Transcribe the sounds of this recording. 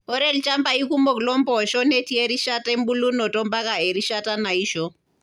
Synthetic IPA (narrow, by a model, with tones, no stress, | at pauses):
ɦo˦ɾe˦lt͡ʃa˦mba˦i˦ku˦mo˨ɡlɔ˦mboʃɔ˦ne˦ti˦e˦ɾi˦ʃate˦mbu˦lu˦no˨to˦mba˦ka˦ɦe˨ɾiʃata˦na˨iːʃo